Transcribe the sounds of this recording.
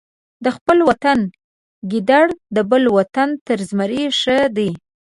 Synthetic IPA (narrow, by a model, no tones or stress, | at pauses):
d̪əxpəlwat̪an | ɡid̪aɽd̪əbəlwat̪ant̪əɾzmaɾeʂəd̪i